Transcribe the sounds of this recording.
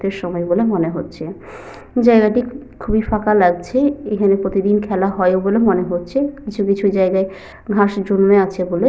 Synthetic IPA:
t̪eɾʃɔmɔebolemoneɦotːɕʰe | d͡ʑaeɡaʈi | kʰubifakalaɡ̚t͡ɕʰeekʰanepɾot̪id̪inkʰɛlaɦɔeobolemoneɦotːɕʰekit͡ɕʰukit͡ɕʰud͡ʑaeɡae | ɡʱaʃd͡ʑonmeat͡ɕʰebole

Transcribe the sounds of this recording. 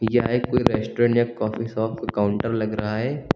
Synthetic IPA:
jaːekoːiɾɛːsʈoːɾẽɳʈjakɔːfisɔːfʈkaːʊɳʈəɾlɐɡɾɐɦaɦɛː

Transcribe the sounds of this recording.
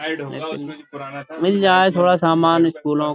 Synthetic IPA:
lḛːkɪ | mɪld͡ʒaːet̪ʰoːɽaːsaːmaːnɪskuːlõː

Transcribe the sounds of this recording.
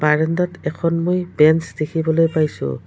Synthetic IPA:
baɹɛndɔtɛkʰɔnmojbɛnsdekʰibɔlojpajsʊ̰̃

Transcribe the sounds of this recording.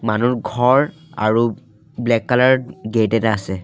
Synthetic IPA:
manuɹɡʱɔɹ | a̰ɹu | blɛkːalaɹɡetɛtaːsɛ

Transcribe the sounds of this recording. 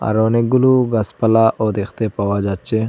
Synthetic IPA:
a̰ɾoneɡuluɡɐspɐlaʔɔd̪ext̪epɐwad͡ʒat͡ʃːe

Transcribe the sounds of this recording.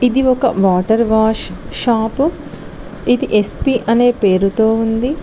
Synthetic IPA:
id̪iɔkɐʋaːʈɐɾʋaːʂʃaːpu | id̪iʔespiːʔɐne̞ːpe̞ːɾut̪oːund̪i

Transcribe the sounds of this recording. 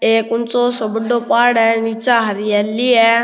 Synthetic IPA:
eːkʊnt͡soːsəbɖoːpaːɽɛːniːt͡ʃaːɦəɾiɛːliːɛː

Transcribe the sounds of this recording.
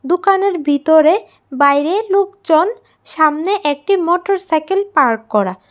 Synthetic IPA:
d̪okaneɾbʱit̪oɾe | bajɾelokd͡ʑon | ʃamneʔɛk̚ʈimoʈoɾsajkelpaɾkkɔɾa

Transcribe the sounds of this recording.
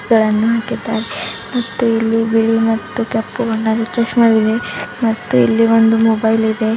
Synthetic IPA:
ɡɐɭɐnːuɦaːkid̪ːaːɾemɐt̪ːuilːibiɽimɐt̪ːukepːuɡoɳɖaːd̪et͡ʃɾɐʃmaɡid̪e̞mɐt̪ːuḭlːio̞nd̪umɔbɐjlid̪e̞

